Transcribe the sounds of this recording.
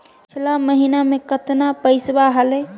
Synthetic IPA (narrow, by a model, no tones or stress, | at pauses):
t͡ʃʰilaməɦinamekət̪napəɪsbaɦələ